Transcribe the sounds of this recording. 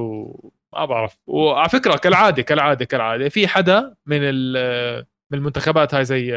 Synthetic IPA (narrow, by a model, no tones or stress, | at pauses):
mʔa̰baʕɾˤɑfwʕalafɪkɾakalʕaːd̪ikalʕaːd̪ikalʕaːd̪ifiːħad̪amɪnɪl | mɪnɪlmʊnt̪axabaːt̪haːjzajː